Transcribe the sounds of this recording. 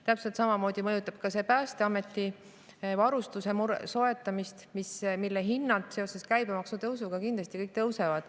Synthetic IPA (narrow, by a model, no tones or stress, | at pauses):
t̪æpse̞lt̪sɑmɑmo̞ːd̪̥ʲimɤjut̪ːˑɑb̥kɑsepæːst̪eɑme̞t̪ːˑi | vɑɾust̪use̞muɾso̞e̞t̪ːˑɑmist̪mismilːeɦinːɑt̪seo̞se̞skæjbemɑksut̪ɤwsuɡ̥ɑkind̪lɑst̪ikɤjk̚ːˑt̪ɤwse̞vɑd̪̥